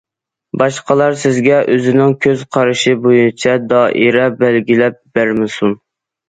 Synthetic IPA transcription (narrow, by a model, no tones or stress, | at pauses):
bɑʃqəlˠɑɾsɪzɡʲɛʔøzɪnɪŋkʲʰøzqʰɑɾɨʃɪbojunt͡ʃʰɛd̪ɑːʔiɾɛbælɡʲilɛp̚b̥æɾmɪsun